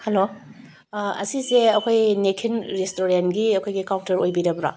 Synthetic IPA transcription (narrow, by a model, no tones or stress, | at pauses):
hɐlo | ɐ̰siseɐkʰojnekʰinɾestoɾenɡiɐkʰojɡikawtɐɾojbiɾɐbɾa̰